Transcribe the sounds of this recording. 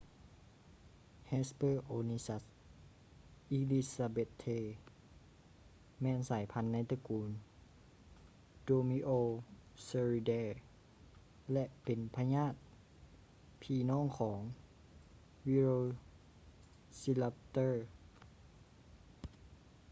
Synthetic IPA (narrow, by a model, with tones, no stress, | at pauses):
he˧spɤː˧˥˨ʔoː˧ni˧sa˧˥t̪̚ | ʔi˧li˧sa˧be˧t̪ʰːeː˧˩ | mɛː˧˨nsaː˩˦jpʰa˧˥nːa˧˥jt̪a˧kuː˨˦n | doː˧mi˧ʔoː˧se˧ɾi˧dɛː˧ | lɛ˧ʔpe˨npʰa˧ɲaː˥˩˨t̪̚ | pʰiː˧˩nɔː˥˨ŋkʰɔː˩˦ŋ | wi˧ɾoː˧ | si˧la˧pt̪ɤː˥˩